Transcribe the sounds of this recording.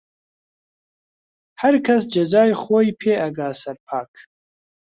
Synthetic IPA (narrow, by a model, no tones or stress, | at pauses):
hɐɾkʰɐs̬d͡ʒɐzaːjχoːjpʰeːʔɐɡaːsɐɾpʰaːk